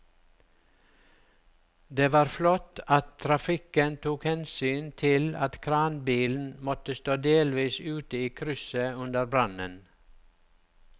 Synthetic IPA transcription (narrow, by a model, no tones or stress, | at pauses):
d̪eːʋɑːɾflɔt̪ɑt̪t̪ʰɾɑfɪkənt̪ʰuːkhɛnsyːnt̪ʰɪlɑt̪kʰɾɑːnbiːln̩mɔt̪əst̪oːd̪eːlʋiːsʉːt̪əiːkʰɾʏsəʉnd̪əɾbɾɑnə̰n